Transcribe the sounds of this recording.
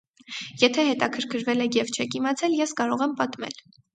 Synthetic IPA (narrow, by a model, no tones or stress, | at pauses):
jɛt̪ʰɛɦɛt̪ɑkʰəɾkʰəɾvɛlɛɡɛvt͡ʃʰɛkimɑt͡sʰɛljɛskɑɾɔʁɛmpɑt̪mɛ̰l